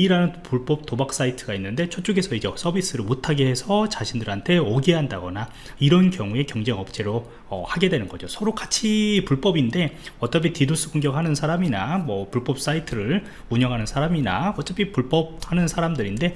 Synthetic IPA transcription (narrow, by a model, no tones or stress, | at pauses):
iɾanɯnpuɭp͈ʌp̚tobak̚s͈aitʰɯɡainːɯnde̞t͡ɕʰot͡ɕ͈oɡe̞sʰʌid͡ʑesʰʌbis͈ɯɾɯɭmotʰaɡeɦe̞sʰʌt͡ɕaɕʰindɯɾɦantʰe̞ʌɡiɦandaɡʌna | iɾʌnkjʌŋue̞kjʌŋd͡ʑe̞ŋʌp̚t͡ɕ͈ʰe̞ɾo | ʌ̰haɡe̞dwenɯnɡʌ̰d͡ʑosʰʌɾokat͡ɕʰipuɭp͈ʌbinde̞ʌt͈ʌp̬ʰitidos͈ʰɯɡoŋɡjʌkhanɯnsʰaɾaminamwʌpuɭp͈ʌp̚s͈aitʰɯɾɯɭ | uɲʌŋɦanɯnsʰaɾamina̰ʌt͡ɕ͈ʌpʰipuɭp͈ʌp̚hanɯnsʰaɾamdɯɾinde̞